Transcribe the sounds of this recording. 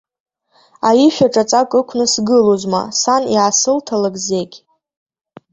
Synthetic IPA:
ajiʃᶣaʈ͡ʂʼat͡sʼakʼɨkʷʰnɨsɡɨlozma̰sanjaːsɨltʰalakʼze̞ɡʲ

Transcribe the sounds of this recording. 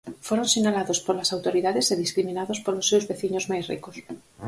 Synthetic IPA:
foɾonsinalaðospolasawt̪oɾiðaðeseðiskɾimĩnaðospolosːewzβeθiɲozmajsrḭkos

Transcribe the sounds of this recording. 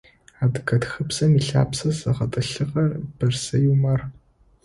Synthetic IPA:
aːdɨkʰɐtxɨpsɐmiɬa̰ːpsɐzɐʁɐtʼɨɬɨʁɐrb̥ɨrsɐjumɐr

